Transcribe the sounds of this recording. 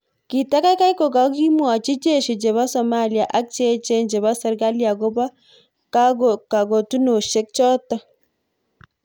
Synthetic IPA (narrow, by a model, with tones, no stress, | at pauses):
ki˨ta˦ka˦jka˦i˦ko˨ka˨˦ki˦mwa˨t͡ʃi˦t͡ʃe˦˨ʃi˨t͡ʃe˨βa˦sɔ˨ma˦li˨a˨ʔa˦k̚t͡ʃe˦t͡ʃe˦nd͡ʒe˨βa˦sɛ˨ɾɡa˦li˦a˨ɡo˦ba˦ | ka˦ka˨ɡo˨tu˦no˨ʃe˦k̚t͡ʃɔ˦ta˦